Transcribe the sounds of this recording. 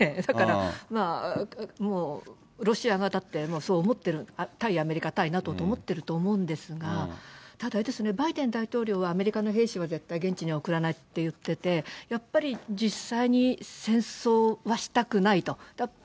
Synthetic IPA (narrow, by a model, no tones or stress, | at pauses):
ed̪akaɾamaː | moː | ɾo̞ɕiaɡad̪at̪ːe̞moːso̞ːmo̞t̪ːe̞ɾɯ̟t̪aiame̞ɾʲikat̪ainat̪ot̪oːmo̞t̪ːe̞ɾɯ̟t̪o̞ːmo̞ɯ̟̃nd̪e̞sɨɡat̪ad̪aɾed̪e̞sɨne̞baid̪ẽ̞nd̪ait̪o̞ːɾʲo̞ːβaːme̞ɾʲikano̞ɦe̞ːɕiβaze̞t̪ːaiɡẽ̞ɲ̟t͡ɕiɲ̟io̞kɯ̟ɾanait̪ːe̞jɯ̟t̪ːe̞t̪e̞japːaɾʲid͡ʑisːaiɲ̟isẽ̞ɰ̃so̞ːβaɕi̥t̪akɯ̟nait̪o̞̥a